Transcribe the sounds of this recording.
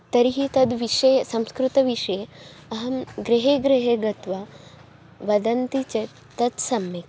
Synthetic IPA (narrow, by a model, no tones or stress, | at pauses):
t̪ɐɾiɦit̪ɐd̪ʋiʃɐjɐsɐmskɾut̪ɐʋiʂɐjeɐɦɐmɡɾiɦeːɡɾɐɦeːɡɐt̪ʋɐ | ʋɐd̪ɐnt̪it͡ʃɐ | t̪ɐd̪sɐmjek